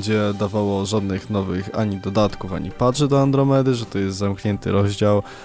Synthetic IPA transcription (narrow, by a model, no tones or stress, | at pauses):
d͡ʑɛd̪avawɔʐad̪nɘxnɔvɘxaɲid̪ɔd̪at̪kufa̰ɲḭpaʐɛd̪ɔand̪ɾɔmɛd̪ɘʐɛt̪ɔjɛst̪zamkɲɛnt̪ɘ̰ɾɔʑd͡ʑaw